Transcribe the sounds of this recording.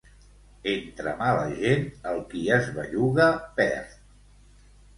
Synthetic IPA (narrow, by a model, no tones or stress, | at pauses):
ent̪ɾə̰malə̰ʒenəlˠkiəzβəʎuɣəpɛ̰ɾ